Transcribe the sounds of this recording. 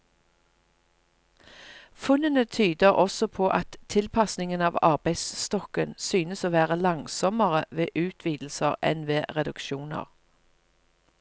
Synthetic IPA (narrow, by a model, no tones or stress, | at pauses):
fʉnənət̪ʰyːd̪əʁʔɔsɔpʰoːʔɑt̪ʰɪlpʰɑsnɪŋənɑːʋɑʁbæɪd̪sst̪ɔkənsyːnəsoːʋæːʁəlɑŋsɔməʁəʋeːʔʉːt̪ʰʋiːd̪l̩səʁɛ̰nʋeːʁɛd̪ʉkʃuːnə̰ʁ